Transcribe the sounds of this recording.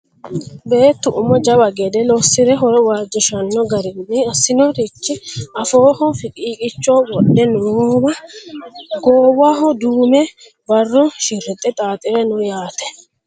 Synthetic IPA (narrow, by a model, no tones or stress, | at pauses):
be̞ːt̪ːʊʔʊmɔd͡ʒɐbɐɡɛd̪ɛlɔsːɪɾɛɦɔɾɔwaːd͡ʒɪʃɐnːɔɡɐɾɪnnːɪɐsːɪnɔɾɪt͡ʃːɪɐfo̞ːhɔfɪkʼiːkʼɪt͡ʃːoːwɔɗːɛnbɐ | ɡoːwaɦɔd̪uːmɛ | bɐrːɔʃɪɾːɛt̪ʼːɛt̪ʼaːt̪ʼɪɾɛnʊjaːt̪ɛ̥